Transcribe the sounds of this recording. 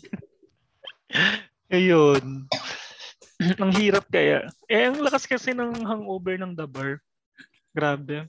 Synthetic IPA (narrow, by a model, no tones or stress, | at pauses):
ɐjon | ʔɐŋɦiːɾɐp̚kɐja̰ʔʔɛʔɐŋlɐkɐskɐsɛnɐŋɦɐŋʔoːbɛɹnɐŋd̪ɐbɐɹ | ɡ̥ɾaːbɛ